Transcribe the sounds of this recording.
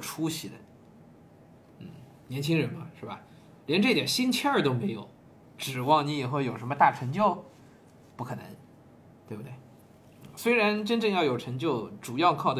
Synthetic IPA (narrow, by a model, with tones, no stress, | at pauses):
ʈ͡ʂʰu˥ɕi˨˩d̪ə̰˦ | n̩˥˩ | njɛ˧˥nt͡ɕʰi˥ŋɻə˧˥nmɐ˧ʂɻ̩˥˩bɐ̰˩ | ljɛ˧˥nʈ͡ʂɤ˥˩t̪jɛ˨˩ɕi˥nt͡ɕʰɛ˥ə˞˥˩t̪o˥ʊme˧˥ɪjo˨˩˦ʊ | ʈ͡ʂɻ̩˨˩wɑ˥˩ŋni˧˥jɛ˨˩xwe˥˩ɪjo˨˩ʊʂ̬ə˧˥nmə˧t̪a˥˩ʈ͡ʂʰɤ˧˥ŋt͡ɕjo˥˧ʊ | pu˥˩kʰɤ˨˩nə̰˧˥ŋ | t̪we˥˧bt̪we˥˩ɪ | n̩˥˩swe˥ɪɻa˧˥nʈ͡ʂə˥nʈ͡ʂɤ˥˧ŋjɑ˥˩ʊjo˨˩ʊʈ͡ʂʰɤ˧˥ŋt͡ɕjo˥˩ʊʈ͡ʂu˨˩jɑ˥˧ʊkʰɑ˥˩ʊd̪ə˩